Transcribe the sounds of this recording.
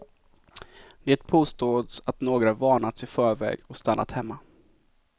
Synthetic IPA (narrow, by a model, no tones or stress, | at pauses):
d̪̥eːt̪̚pʰoːst̪oːd̪sat̪noːɡɾavɑːɳat̪sɪfœːɾvɛ̰ːɡɔkst̪anːa̰t̪hɛmːa